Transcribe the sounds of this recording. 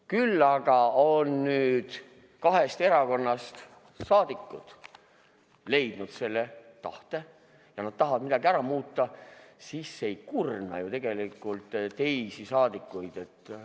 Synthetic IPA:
kylːɑɡ̥ɑonːyːd̪̥ | kɑɦe̞st̪e̞ɾɑko̞nːɑst̪ | sɑːd̪ikːˑut̪ | le̞jd̪̥nud̪̥se̞lːe̞t̪ɑ̰ht̪e̞ | jɑnɑd̪̥t̪ɑɦɑvɑd̪mid̪ɑɡiæɾɑmuːt̪ːɑsisːe̞jkurnɑ̰jut̪e̞ɡ̥e̞likːˑult̪t̪e̞jsisɑːd̪̥ikːˑujd̪̥e̞t̪ː

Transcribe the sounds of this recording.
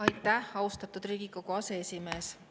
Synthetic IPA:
ɑjt̪ːˑæhɑwst̪ɑt̪ud̪riːɡikokuɑse̞esʲime̞ːs

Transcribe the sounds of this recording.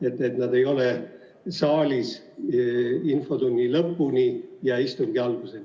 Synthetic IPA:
e̞t̪ːˑe̞t̪nɑd̪e̞jo̞le | sɑːlʲis | info̞d̪unʲːilɤpːunʲijɑist̪uŋɡ̥iɑlɡ̥use

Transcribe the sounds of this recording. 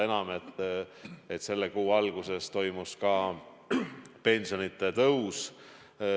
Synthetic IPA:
e̞nɑmet̪ː | et̪se̞lːekuːɑlɡ̥use̞st̪o̞jmuskɑː | pe̞nʲsio̞nit̪ːˑe̞t̪ɤws

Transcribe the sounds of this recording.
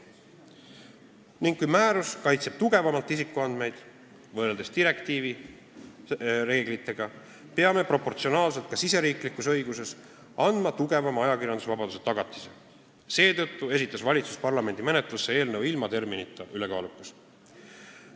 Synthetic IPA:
niŋɡ̥kujmæːɾuskɑjt̪seb̥t̪uɡ̥e̞vɑmɑlt̪ːˑisikːˑuɑnd̪me̞jd̪̥ | vɤreld̪̥e̞st̪iɾe̞kt̪iːvi | ɾe̞ːɡ̥lit̪ːˑe̞ɡ̥ɑ | pe̞ɑme̞pro̞pːo̞rt̪sio̞nɑːlse̞lt̪̚kɑsise̞ɾiːklikːˑusɤ̞jɡ̥use̞s | ɑnd̪mɑt̪uɡ̥e̞vɑmɑjɑkirjɑnd̪usvɑbɑd̪use̞̥t̪ɑɡ̥ɑt̪ːˑi̥se | se̞ːt̪ɤ̞t̪ːue̞sit̪ːˑɑsvɑlʲit̪su̥spɑrlɑme̞nd̪imenet̪ˑlusːe̞e̞ːlnɤwilmɑt̪e̞rminit̪ːˑɑʔylekɑ̰ːlukˑːus

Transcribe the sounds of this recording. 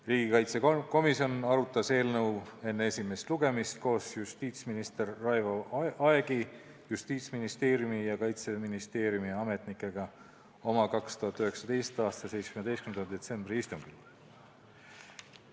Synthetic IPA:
riːɡ̥ikɑjt̪seko̞misjo̞nɑɾut̪ːˑɑse̞ːlnɤwe̞nːee̞sʲime̞st̪luɡ̥e̞mist̪̚ko̞ːsjust̪iːt̪sminist̪e̞rːɑjvoʔɑeɡ̥i | just̪iːt̪sminist̪e̞ːɾjumijɑkɑjt̪se̞minist̪e̞ːɾjumiɑme̞t̪nikːˑe̞ɡ̥ɑ | o̞mɑkɑkst̪uhɑt̪ːˑyhe̞ksɑd̪e̞jst̪ɑːst̪ɑse̞jt̪se̥kymned̪estkymenɑd̪e̞t̪se̞mb̥rɾiist̪uŋɡ̥il

